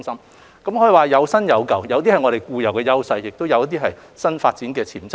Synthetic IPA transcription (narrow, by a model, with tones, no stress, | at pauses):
ŋsɐ˥m | kɐ˨˥mhɔː˧˥ji˨˩waː˨jɐ˨˧wsɐ˥njɐ˨˧wkɐ˨˩wjɐ˨˧wt̪̬iː˥hɐ˨jŋɔ˨˧ɾe˨jkuː˧jɐ˨˩wkɛː˧jɐ˥wsɐ˧jːɪ˨k̚t̪o˥wjɐ˨˧wjt̪̬iː˥ɦɐ˨jsɐ˥nfaː˧t̚t͡siː˨˥nkɛː˧t͡sʰiː˨˩nt͡s